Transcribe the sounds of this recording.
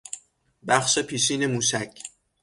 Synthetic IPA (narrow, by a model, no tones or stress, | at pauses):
bæχʃepʰiːʃiːnemuːʃæcʰ